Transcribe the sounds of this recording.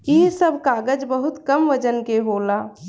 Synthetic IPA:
isəbʱkaɡəd͡ʒbəɦut̪kəmʋəd͡ʒənkeɦola

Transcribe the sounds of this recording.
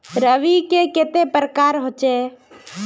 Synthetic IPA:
ɾəʋikeket̪epəɾəkaːɾɦoːt͡ʃeː

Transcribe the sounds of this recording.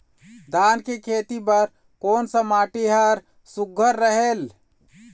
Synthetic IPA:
d̪ankekʰet̪ipəɾ | koːnsəmaʈiɦəɾ | suɡʱːəɾːəɦel

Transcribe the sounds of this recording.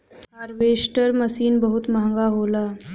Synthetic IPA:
ɦaɾʋeʂʈəɾməsiːnbəɦut̪mãŋɡaɦola

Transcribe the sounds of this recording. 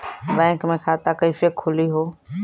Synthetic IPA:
bɛ̃ːŋkmẽkʰaːt̪akɐifekʰːʊliɦoː

